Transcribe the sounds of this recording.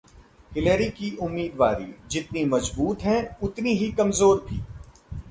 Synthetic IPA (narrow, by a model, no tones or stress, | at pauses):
hɪləɾikiʔʊmːiːd̪ʋa̰ːɾḭd͡ʒɪt̪nimɐzbuːt̪ɦɛ̃ʊt̪niɦikɐmzoːɾbʱḭː